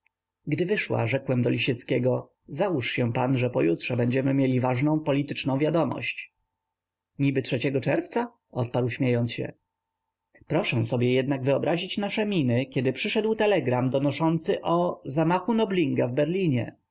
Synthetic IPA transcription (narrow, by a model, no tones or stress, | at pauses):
ɡd̪ɘvɘʂwa̰ʐɛkwɛmd̪ɔlʲiɕɛt̪skʲɛɡɔ | zauʂɕɛ̃panʐɛpɔjutʂɛbɛɲd͡ʑɛmɘmʲjelʲivaʐnɔ̃w̃pɔlʲit̪ɘt͡ʂnɔ̃w̃vʲjad̪ɔmɔ̰ɕt͡ɕ | ɲibɘtʂɛt͡ɕɛɡɔt͡ʂɛɾft̪sa | ɔt̪̚paɾwɕmʲjejɔnt̪sɕɛ̰ | pɾɔʂɛ̃sɔbʲjɛjɛd̪naɡvɘɔbɾʔaʑit͡ɕnaʂɛmʲinɘkʲɛd̪ɘpʂɘʂɛd̪wt̪ɛlɛɡɾamd̪ɔnɔʂɔnt̪sɘʔɔzamaxunɔblʲiŋɡavbɛɾlʲiɲɛ̰